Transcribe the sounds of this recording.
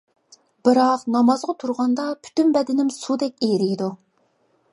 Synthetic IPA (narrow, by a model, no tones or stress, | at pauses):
b̥ɪɾɑqnɑmɑzʁɑt̪ʰuɾʁɑnd̪ɑpʰy̥t̪ynbɛd̪ɪnɪmsud̪ɛk̚ʲejɾɪjd̪u